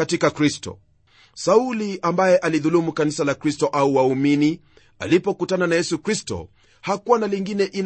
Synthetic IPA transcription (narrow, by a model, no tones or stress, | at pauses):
atikakɾistɔ̰ | sauliʔambajɛʔaliðulumukanisalakɾistɔʔauwaumini | a̰lipɔkutananajɛsukɾistɔ̰ | hakuwanaliŋɡinɛʔin